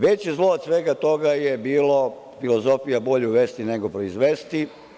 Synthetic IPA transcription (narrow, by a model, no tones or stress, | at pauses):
ʋe̞t͡ɕizlˠoːd̪sʋeɡat̪o̞ɡajebiːlo | filo̞zo̞fijabo̞ʎeuʋe̞st̪ine̞ɡo̞pɾoizʋest̪i